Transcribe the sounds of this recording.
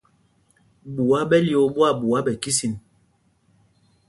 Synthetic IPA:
ɓu˨a˦ɓɛ˦li˨o˨˦ɓwa˦˨ɓu˨a˦ɓɛ˨ki˦si˨n

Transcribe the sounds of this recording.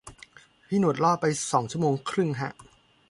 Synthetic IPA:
pʰiː˥˩nu˨˩t̪̚lɔː˥˩pa˧jsɔː˩˦ŋt͡ɕʰu˥˩əmoː˧ŋkʰɾɯ˥˩ŋɦʰa˦˥ʔ

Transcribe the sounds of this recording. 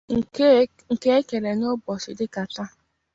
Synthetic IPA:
ŋ̩˨˦ | ŋ̩˨ke˦e˦ke˨le˨ɲ˦o˦bɔ˨sɪ˨dɪ˦ka˨ta˦

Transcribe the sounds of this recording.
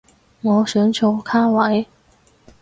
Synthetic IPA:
ŋɔ˨˧˥ɕə˧˥nt͡ɕʰjo˧˥ʊkʰa˥wa˧˥ɪ

